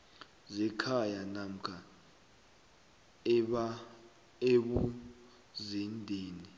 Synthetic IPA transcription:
zɛkʰajanam̩kʰa | eɓu | zindʱeːni

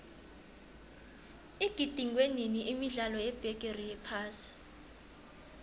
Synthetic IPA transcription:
iɡ̥ʱid̥ʱiŋweniniʔimiɮalɔjɛb̥ʱɛɡ̥ʼerijɛpʰaːsi̥

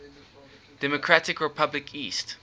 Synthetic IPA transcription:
d̥ɛmɔkʰɹatɪkɹɛpʰablɪkʰiːst

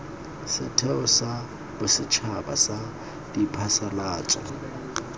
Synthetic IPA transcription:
sɪ̰tʰɛʊsa | bʊsɪt͡ʃʰaba̰sa | dipʰasalaːt͡ʃʼɔ̰

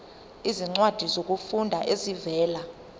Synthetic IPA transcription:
iziŋ͡ǀwad̥ʱizok̬ʼufundʱaʔezivɛːla

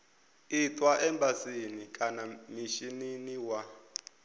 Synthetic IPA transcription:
itʼwaʔɛmbasinikʼanamiʃininiwa

